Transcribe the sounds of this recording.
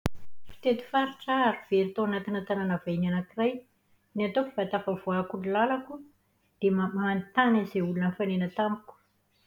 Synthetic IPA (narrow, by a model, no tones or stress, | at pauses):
fi̥t̪et̪i̥faɾiʈ͡ʂaaɾiv̥eɾit̪oanat̪inət̪ananavainanakiraj | niat̪ofi̥vat̪afəvoakunilalaku | d̪̥emmaant̪anazeulunəfanenət̪amiku̥